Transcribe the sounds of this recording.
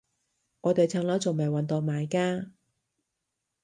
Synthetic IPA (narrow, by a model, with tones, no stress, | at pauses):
ŋɔː˨˧t̪e˨jt͡sʰaː˧˥ŋlɔː˨˥wt͡so˨˩mɐ˨˩jwɐ˨˧nt̪ɔː˨˩ŋ̚maː˨˧jkaː˥